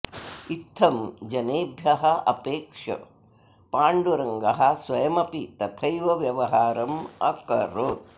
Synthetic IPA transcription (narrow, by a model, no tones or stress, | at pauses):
it̪ʰːɐmd͡ʒɐneːbʱjɐɦɐɐ̰peːkʂɐ̰ | paːɳɖuɾɐŋɡɐɦɐ̆sʋɐjɐmɐpit̪ɐt̪ʰɐjʋɐʋjɐʋɐɦaːɾɐmɐ̰kɐɾoːt̪